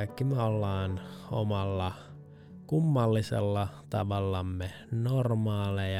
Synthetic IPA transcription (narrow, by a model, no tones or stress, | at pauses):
kːimeolːɑːno̰mɑlːɑ | kumːɑlːisḛlːɑt̪ɑ̰ʋɑlːɑmːe | normɑːle